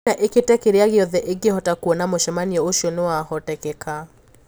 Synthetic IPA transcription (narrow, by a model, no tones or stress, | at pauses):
aʔeketɛkeɾeaɣeɔðɛʔeɡehɔtakuɔnamoʃɛmaniɔoʃiɔnewahɔtɛkɛka